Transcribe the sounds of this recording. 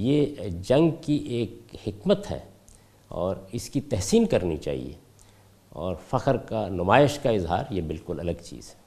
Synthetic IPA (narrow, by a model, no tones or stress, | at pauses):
jeːd͡ʒɐ̃ŋɡkiʔeːk̚hɪkmət̪ɦɛ̰ː | ɔ̰ːɾɪskit̪ɛɦsiːnkɐɾnḭt͡ʃa̰ːɦḭḛː | ɔ̰ːɾfɐqəɾkanʊmaːɪʃkaɪzɦa̰ːɾjebɪlkʊlɐləɡt͡ʃḭːz̥ɛ